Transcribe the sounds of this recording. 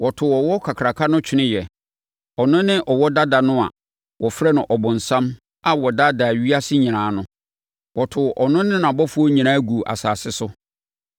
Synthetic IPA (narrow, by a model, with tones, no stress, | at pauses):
wɔ˨tʰʊ˨ɔ˨wɔ˦kʰa˨kʰɾa˨kʰa˦nʊ̃˦t͡ɕᶣʰɪ˦nɪ̃˦jɛ˨ | ɔ˨nʊ̃˦nɪ̃˦ʔɔ˨wɔ˦da˦da˨nʊ̃˦a̰˨ | wɔ˨fɾɛ˦nʊ̃˨ʔɔ˨bʊ̃˨n̩˨sã˦m | a˨wɔ˨da˦da˨ɥi˦a˦sɪ˦ɲĩ˨ɾãː˨˦nʊ̃˦ | wɔ˨tʰʊ˨ʔɔ˨nʊ̃˦nɪ̃˦nã˨bɔ˦fu˦ɔ˦ɲĩ˨ãː˦ɡu˨ʔa̰˨saː˨sɪ˦sʊ˦